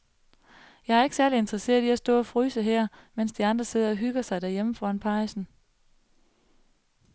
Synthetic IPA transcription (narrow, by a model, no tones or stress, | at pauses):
jɑ̈ɪæɐe̝ɡ̥ə̥sæɐlie̝nd̥ʁɐse̝̰ːɐiæsd̥ɔ̰̽ːɒ̽fʁyːsəɦɛɐ̰men̰sd̥iɑ̈nd̥ʁɐse̝ðˠɐɒ̽ɦyɡ̥ɐsɑ̈ɪd̥æɐ̰jeməfɒænpʰɑ̈ɪsn̩